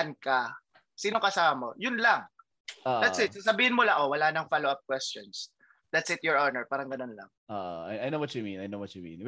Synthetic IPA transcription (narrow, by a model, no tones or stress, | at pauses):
ɐnkɐ | siːnokɐsamɐmo̞jʊnlɐŋ | ʔodatssɪt̪sasɐbiːhɪnmʊlaʔowɐlanɐŋfaloʔap̚k̚wɛstons | d̪̥at̪sɪt̪jɔɹonɛɹpaːɾɐŋɡɐno̞nlɐ̰ŋʔoːʔo̰a̰jajnowɐtt͡ʃuminajnowɔt̪t͡ʃumḭ̃n